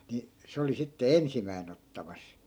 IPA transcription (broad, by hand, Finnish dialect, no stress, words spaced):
ni se oli sitːe ensimæin otːɑmɑs